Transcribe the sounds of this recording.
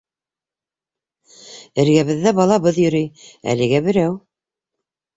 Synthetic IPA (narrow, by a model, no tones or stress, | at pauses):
ɘ̆ɾɡæβɘ̆ðːæbɑlˠɑβɤðjɵ̆ɾɘjæ̰lɘ̆ɡæbɘ̆ɾæw